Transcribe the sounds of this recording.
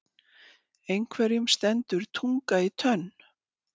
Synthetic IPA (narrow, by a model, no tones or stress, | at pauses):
ejŋkʰvɛɾjʏmst̪ɛnt̪ʏɾ̥t̪ʰuŋkait̪ʰœn